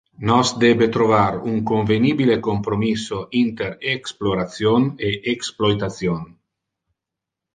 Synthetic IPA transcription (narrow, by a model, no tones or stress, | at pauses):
nɔsd̪ɛbet̪ɾovaɾuŋkoɱvenibilekompɾomisoint̪eɾeksploɾasjoneʔeksplojt̪asjon